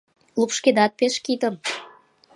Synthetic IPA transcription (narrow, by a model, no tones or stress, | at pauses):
lupʃked̪ɑt̪̚peʃkit̪ə̆m